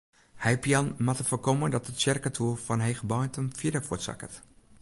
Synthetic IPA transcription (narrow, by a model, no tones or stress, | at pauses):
hɛjpjanmatəfəkomədɔtətsɛrkətʰuəlˠfɔnɦexəbɔjntəmfjɪdəfutsa̰kə̰t